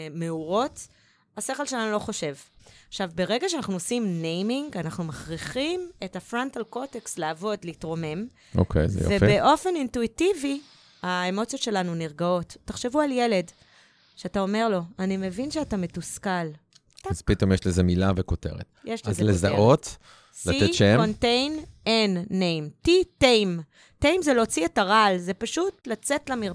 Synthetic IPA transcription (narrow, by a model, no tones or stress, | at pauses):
meuʁo̞t | ase̞χelʃelanulo̞χo̞ʃe̞vaχʃavbe̞ʁe̞ɡaʃeanaχnuosimnejmiŋɡanaχnumaχʁiχimetafʁantalkoteksleavo̞dleitʁo̞me̞m | o̰kʰḛjz̰vjo̰efeʔo̞fe̞nintuitivi | aemo̞t͡sjo̞tʃe̞lanuniʁɡao̞tːaχʃe̞vualje̞le̞d | ʃeatao̞meʁlo̞anime̞vinʃeatame̞tuskal | azpit̪o̞mjeʃlezemilavekote̞̰ʁḛt̪jeʃlezelezaʔo̞t̪ | slatieʃekontejnenːejmtitejm | tejmzelot͡sietaʁalze̞paʃutlat͡se̞tlamiʁ